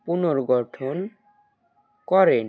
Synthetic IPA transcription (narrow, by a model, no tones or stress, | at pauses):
punoɾɡɔʈʰon | kɔɾen